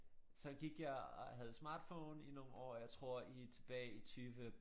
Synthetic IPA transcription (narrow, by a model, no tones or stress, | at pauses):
sɒ̽ɡ̥iɡ̥jɑɪɦæð̞̩ˠəsmɑ̰̈ːd̥fɔ̰ːnino̝n̩ɒ̰ːjɑ̈ɪt͡sʰʁo̝ɐ̰it͡sʰe̝b̥ɛːit͡sʰyːʋə